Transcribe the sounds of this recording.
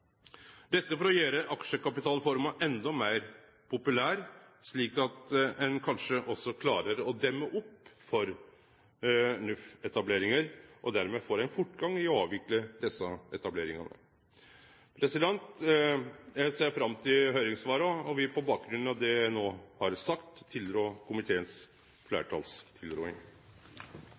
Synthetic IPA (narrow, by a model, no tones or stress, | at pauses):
d̪ɛt̪ːəfɔɾɔjæːɾəʔɑkʂəkɑpɪt̪ʰɑːlfɔɾmɑʔɛnd̪ɔmeɪɾ | pʰʊpʉlæːɾsɭiːkɑt̪ɛnkʰɑnʂəʔɔsːɔkʰlɑːɾəɾɔd̪ɛmːəʔʊpːfɔɾ | nʉfɛt̪ɑbleːɾɪŋəɾʔɔd̪æɾmɛfoːɾæɪnfʊʈːɡɑŋːɪɔɑːʋʋɪkləd̪ɛsːɑɛt̪ɑbleːɾɪŋɑ̰nə̰ | pʰɾɛsɪd̪ɛnt̪ | seːɾfɾɑmːt̪ʰɪlɦœʏɾɪŋsʋɑːɾɑɔʋɪpʰɔbɑːk̚ɡɾʉnnɑʋd̪ɛnoːhɑɾsɑkt̪ʰːɪld̪ɾoːkʰʊmɪt̪ʰeːəns | flæ̰ːʈʰɑ̰ːlst̪ʰɪld̪ɾo̰ːɪŋ